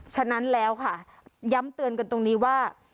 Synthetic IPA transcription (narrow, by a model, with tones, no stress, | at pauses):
t͡ɕʰa˧na˦˥nlɛː˦˥wkʰa˥˩ | ja˦˥mt̪ɯ˧ənka˧nt̪o˧ŋniː˦˥waː˥˩